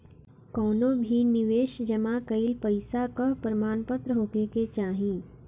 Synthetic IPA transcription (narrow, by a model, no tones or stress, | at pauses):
kɔːnõbʱinɪʋeːʃd͡ʒɐmakɐɪlpɐɪsakɐpɾɐmaːnpət̪ɾəɦoːkeket͡ʃaːɦĩː